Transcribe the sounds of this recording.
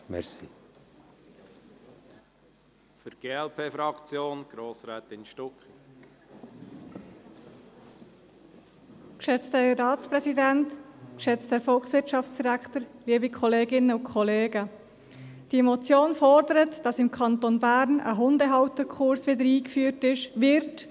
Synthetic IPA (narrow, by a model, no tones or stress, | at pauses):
mɛ̰ɾsḭ | fyɾɡ̥eːɛlpʰeːfɾɑkt͡sjoːnɡ̥ɾoːsɾɛːt̪ɪnʃtɔkχ | kʃɛt͡stərɑːtt͡spɾɛsidæntkʃɛt͡stəɾfɔlksʋɪɾtt͡ʃɑft͡ssd̥iɾæktəɾliəbikʰɔleːɡɪnːəʊkʰχɔleːɡə | d̥imɔt͡sjoːnfɔrdəɾətd̥ɑsɪmkʰɑnt̪onbæɾnə̰ɦʊndəɦɑwtəkʰχʊɾsʋɪdəɾiːkfyːrtɪʃʋɪɾt